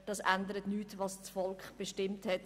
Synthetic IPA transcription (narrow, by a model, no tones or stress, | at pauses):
d̥ɑsʔændəɾətnyːtvɑst͡sfɔlkχb̥eʃtɪmthɛt